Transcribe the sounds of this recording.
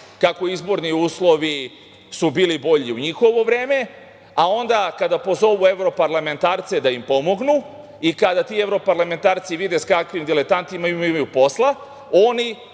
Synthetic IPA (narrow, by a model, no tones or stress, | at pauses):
kako̞izbo̞ɾniuːslˠo̞ʋi | subiːlibo̞ʎiuɲixo̞ʋo̞ʋɾe̞ːme̞ | ao̞nd̪akad̪apo̞zo̞ʋue̞ʋɾo̞paɾlame̞nt̪aːɾt̪se̞d̪aimpo̞mo̞ɡnu | ikad̪at̪iːe̞vɾo̞paɾlˠame̞nt̪aːɾt̪siʋid̪eskakʋimd̪ilet̪ant̪imaimaimajupo̞slˠa | o̞ni